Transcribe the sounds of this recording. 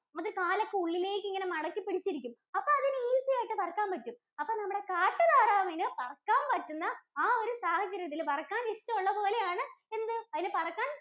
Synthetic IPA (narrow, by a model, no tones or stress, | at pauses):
mɐðilkaːlɐkːeuɭːileːjkːiŋːɐne̞mɐɽɐkːipːiɽit͡ɕːiɾik̬ʲːum | ɐpːoːɐðinɨiːsijaːjiʈːɨpɐrɐkːaːmpɐtːum | ɐpːoːnɐmːɐɽe̞kaːʈːɨðaːɾaːminɨpɐrɐkːaːmpɐtːunːɐaːo̞ɾusaːhɐt͡ɕːɐɾjɐt̪̬ːilpɐrɐkːaːniʂtːɐmuɭːɐpo̞ːle̞jaːɳɨe̞nd̪ɨɐðinɨpɐrɐkːaːn